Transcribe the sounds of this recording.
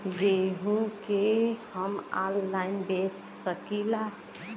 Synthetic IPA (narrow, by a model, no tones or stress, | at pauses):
ɡeɦũkehəmalːaɪnbet͡ʃsəkila